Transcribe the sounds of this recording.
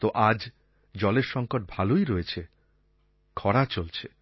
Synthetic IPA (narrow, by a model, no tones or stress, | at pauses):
t̪oʔad͡ʑ | d͡ʑɔleɾʃɔŋkoʈ̚bʱalojɾoet͡ɕʰe | kʰɔɽat͡ɕolt͡ɕʰe